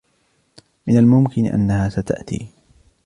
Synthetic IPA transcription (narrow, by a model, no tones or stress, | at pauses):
mɪnalmʊmkɪn̰ʔa̰nːahaːsat̪a̰ʔt̪ḭː